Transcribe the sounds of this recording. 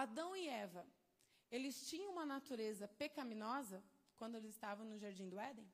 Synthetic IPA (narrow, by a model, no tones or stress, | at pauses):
ad̪ɐ̃w̃ɪɛvɐ | elɪst͡ʃĩɲɐ̃ũmɐnat̪uɾezɐpekɐmĩnɔzɐkwɐ̃nd̪ʊelɪzɪst̪avɐ̃w̃nʊʒaɾd͡ʒĩd̪ʊɛd̪ẽ